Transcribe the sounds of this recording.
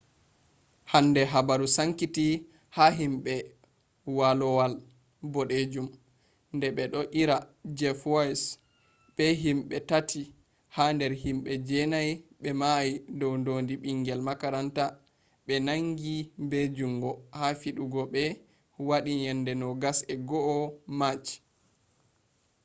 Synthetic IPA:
handɛɦabaɾusaŋkiti | haɦimɓɛ | walɔwal | bɔɗed͡ʒum | ndɛɓɛɗɔʔiɾad͡ʒɛfas | ɓɛɦimɓɛtatʰi | handɛɾhimɓɛd͡ʒɛnajɓɛmajidɔwndondiɓiŋɡɛlmakaɾanta | ɓɛnaŋɡibed͡ʒuŋɡɔhafiɗuɡɔɓɛ | waɗiɲɛndɛnɔɡasɛɡɔʔɔmat͡ʃi̥

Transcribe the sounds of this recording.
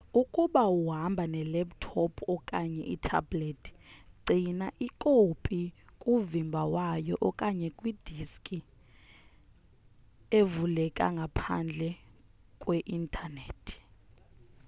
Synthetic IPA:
ukʼuɓauɦambʱanɛlɛptʰɔpʰɔkʼaɲɛ̰ʔḭtʰa̰bletʰʼi̥ǀinaʔikʼopʼikʼuvimbʱawajɔʔɔkʼaɲɛkʼwid̥ʱiskʼi | evulɛkʼa̰ŋɡʱapʰa̰nd͡ɮʱɛ | kʼweʔintʰʼaneːtʰi̥

